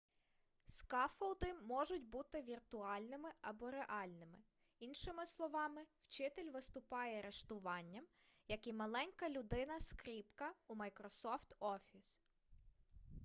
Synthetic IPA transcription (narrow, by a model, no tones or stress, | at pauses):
skɑfɐlˠd̪ɪmɔʒʊtʲbut̪ɪʋʲirt̪ʊɑlʲnɪmɪɐbɔɾeʔɑlʲnɪmɪ | inʃɪmɪslˠɔʋɑmɪwt͡ʃɪt̪elʲʋɪst̪ʊpɑjɛɐɾeʃt̪ʊʋɑnʲːɐm | jɐkimɐlˠɛnʲkɐlʲʊd̪ɪnɐskɾʲipkɐumɐjkɾɔsɔft̪ɔfʲis